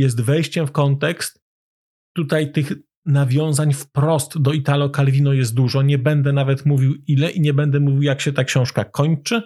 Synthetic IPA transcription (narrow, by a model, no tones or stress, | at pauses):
jɛs̬t̪vɛjɕt͡ɕɛmfkɔnt̪ɛkst̪ː | ut̪ajt̪ɘx | navʲjɔ̃w̃zaɲfpɾɔst̪d̪ɔit̪alɔkalvʲinɔjɛst̪̚d̪uʐɔɲɛbɛnd̪ɛnavɛt̪muvʲiwilɛʔiɲɛbɛnd̪ɛmuvʲiwjakɕɛt̪akɕɔ̃w̃ʂkakʰɔɲt͡ʂɘ